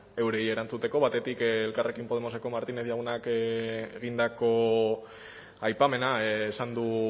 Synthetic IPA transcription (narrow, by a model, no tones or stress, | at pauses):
e̞wɾe̞ie̞ɾant͡sut̪e̞ko̞βat̪e̞t̪ikːlkarʔe̞kimpo̞ð̞e̞mo̞seko̞maɾt̪ineθjaɣunakeɣind̪ako̞ | ajpame̞naːsand̪u